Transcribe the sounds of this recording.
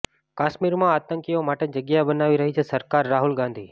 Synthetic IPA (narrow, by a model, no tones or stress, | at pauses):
kaʃmiɾmãat̪əŋkiomaʈed͡ʒəɡjabənaʋiɾəɦit͡ʃʰesəɾkaɾːaɦulɡãnd̪ʱiː